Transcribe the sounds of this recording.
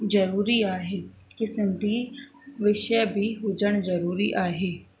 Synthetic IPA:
d͡ʒəɾuːɾiːaːɦeː | kɪsɪnd̪iː | ʋɪʃɛbʱiːɦoːd͡ʒəɳ̃d͡ʒəɾuːɾḭːʔaːɦeː

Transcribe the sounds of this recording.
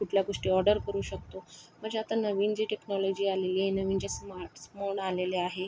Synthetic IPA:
kuʈʰljaɡoʂʈiːɔɾɖəɾkəɾuːɕək̚t̪om̤əɳd͡ʑeat̪anəʋiːnd͡ʑiːʈeknɔlɔd͡ʑiːaleliːɦenəʋiːnd͡ʑesmaɾʈsmoɳaleleaɦe

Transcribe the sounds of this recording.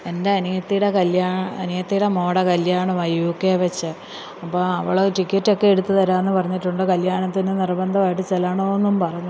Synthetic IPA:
e̞nde̞ɐnijɐt̪ːiɽekɐljaːɐnijɐt̪ːijɽe̞mo̞ːɽɐkɐljaːɳɨʋɐjukːeːʋɐt͡ɕːɨ | ɐpːoːɐʋiɭouʈikʲːɐtːo̞kːe̞eɽut̪ːɨt̪ɐɾaːenːɨpɐrɐɲːiʈːuɳɖɨkɐljaːɳɐt̪ːinɨnirbɐnd̪ʱɐʋaːjiʈːɨt͡ɕelaːɳoenːumpɐrɐjɲːu

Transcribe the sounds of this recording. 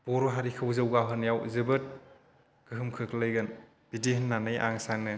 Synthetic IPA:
b̥ɔɾuɦaɾikʰɯwzɯwɡaɦɯnjawzɯbɯt̚ | ɡ̥ɯɦɯmkʰɯkʰlɯjɡɯn | b̥idiɦɯnːanɯjʔa̰ŋsaŋnɯ

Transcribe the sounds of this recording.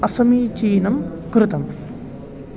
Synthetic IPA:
ɐsɐmiːt͡ʃiːnɐm | kɾɨt̪ɐm

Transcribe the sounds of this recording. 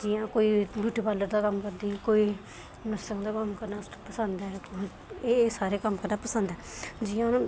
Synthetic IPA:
d͡ʒɪjãːkoːiːbuːʈiːpaːləɾd̪aːkəmkəɾd̪iːkoːiː | nəsəŋd̪aːkəmkəɾnaːpəsənd̪ɛː | eːsaːɾeːkəmkəɾnaːpəsənd̪ɛːd͡ʒɪjãːñː

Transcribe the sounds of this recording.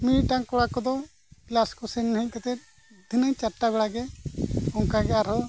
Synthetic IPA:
miiʈaŋkɔɽakɔd̪ɔ | klaskɔsɛnːaɦic̚kat̪ɛt̪̚ | d̪ʱinəɲt͡ʃaʈabɛɽaɡɛ | ɔŋkaɡɛaɾɦɔ

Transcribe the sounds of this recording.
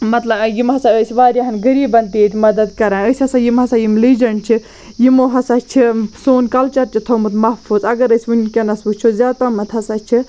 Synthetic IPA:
mɐt̪lɐbjimɦɐsaəsʲiʋaːɾʲjaɦɐnɡɐɾiːbɐnt̪iːt̪ʰʲmɐd̪ɐd̪kɐɾãːəːsʲhɐsaːjimɦɐsaːjimliːd͡ʒɐnt͡ʃʰi | jimoːɦɐsat͡ʃʰisoːnkɐlt͡ʃɐɾt͡ʃʰit̪ʰomɨt̪mɐhfuzɐɡɐɾəsʲunkʲɐnɐsʋut͡ʃʰozʲaːd̪p̪ɐmɐt̪ʰɐsat͡ʃʰi

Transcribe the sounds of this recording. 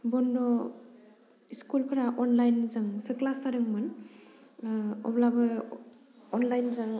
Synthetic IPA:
bɔndɔ | iskulpʰaɾaʔɔnlajnzɯŋsɯklasaɾɯŋmɯn | ɔ̰blabɯ | ɔnlajnzaŋ

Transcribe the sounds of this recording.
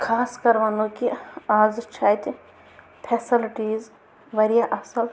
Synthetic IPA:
kʰaːskɐɾʋanõkiaːzt͡ʃʰaːjt̪ | pʰesɪlʈiːz | ʋɐɾijaʔɐfsɐl

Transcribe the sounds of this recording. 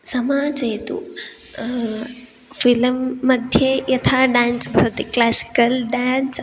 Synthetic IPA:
sɐmaːd͡zet̪ṵ | filmːɐd̪ʱjejɐt̪ʰaɖansbʱɐɾot̪eklasi̥kəlɖans

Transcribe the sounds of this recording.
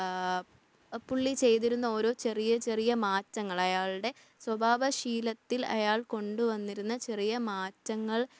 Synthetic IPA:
puɭːit͡ɕe̞jt̪̬iɾunːɐo̞ːɾo̞ːt͡ɕe̞rijɐt͡ɕe̞rijɐmaːtːɐŋːɐɭɐjaːɭɽe̞ | swɐbʱaːʋɐɕiːlɐt̪ːilɐ̰jaːɭko̞ɳɖuʋɐnːiɾunːɐt͡ɕe̞rijɐmaːtːɐŋːɐɭ

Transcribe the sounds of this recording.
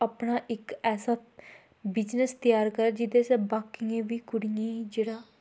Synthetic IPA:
apnaːʔɪkɛːsaː | bɪd͡ʒnəst̪ɪjaːɾkəɾd͡ʒɪd̪eːsɛːbaːkːɪẽːʋiːkʊɽijãːd͡ʒeːɽaː

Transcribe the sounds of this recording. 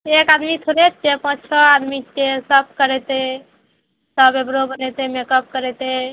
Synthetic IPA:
ekad̪mit̪ʰoɾet̪kepə̃t͡ʃʰəad̪mikesəb̚kəɾɛt̪e | səbebɾobənɛt̪emekəp̚kəɾɛt̪e

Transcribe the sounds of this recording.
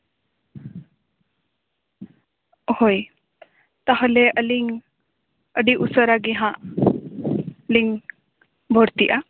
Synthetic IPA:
hoj | t̪aɦɔ̃lɛʔəliŋ | əɖiʔusəɾaɡɛɦãʔ | liŋ | bʱɔɾt̪iʔa

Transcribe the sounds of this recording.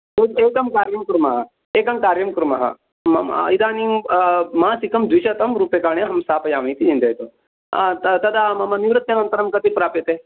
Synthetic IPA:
ueːkɐmkaːɾjɐmkɾumɐɦɐ | eːkɐmkaːɾjɐmkɾumɐ̰ɦɐ̰ | mɐɐ̰id̪aːni | mãːsikɐmd̪ʋiʃɐt̪ɐmɾupekaːɳjeɦɐmsaːpɐjaːmɐit̪id͡ʒĩnd̪ɐjt̪o | at̪ɐt̪ɐd̪amɐmɐniʋɾɨt̪jɐnɐnt̪ɐɾɐmkɐt̪ipɾaːpjɐt̪e

